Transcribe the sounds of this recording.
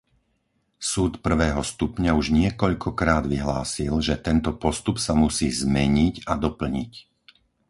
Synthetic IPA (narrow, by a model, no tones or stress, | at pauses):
suːt̪pr̩ʋɛːɦɔst̪upɲauʒɲɪɛkɔʎkʰɔkɾaːd̪ʋiɦlaːsilʒɛt̪ɛnt̪ɔpɔst̪upsamusiːzmɛɲiɟad̪ɔpl̩ɲic